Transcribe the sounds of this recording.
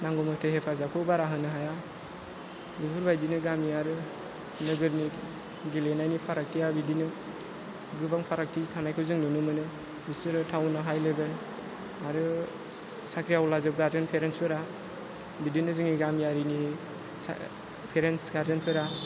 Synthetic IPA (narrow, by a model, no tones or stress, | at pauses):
naŋɡɔmɯtʰehepʰazakʰɯbaɾaɦɯnɯɦaja | bipʰɯɾbajdinɯɡamijaɾɯ | nɯɡɯɾni | ɡilenajnipʰaɾak̚tijabidinɯ | ɡɯbaŋpʰaɾak̚tʰitʰanajkʰɯwzɯŋnɯnɯmɯnɯ | bisɯɾɯtʰawnɯɦajlebel | aɾɯ | sakʰɾijawlazɯp̚ɡaɾzɯnpʰeɾenspʰɯɾa | bidinɯzɯŋiɡamijaɾinḭ | pʰeɾensɡaɾzɯnpʰɯɾa